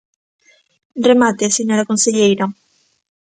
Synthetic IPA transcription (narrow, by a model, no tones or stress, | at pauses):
remat̪eseɲoɾakonseʎejɾa